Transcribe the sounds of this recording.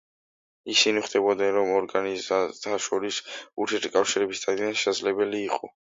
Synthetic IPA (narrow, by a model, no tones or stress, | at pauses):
isiniχd̪̥ɛbɔd̪nɛnɾɔmɔɾɡanizat̪ʰaʃɔɾisuɾt̪ʰɛɾt̪ʰkʼafʃiɾɛbisd̪ad̪id̪anʃɛsad̪zlɛbɛliːqʼɔ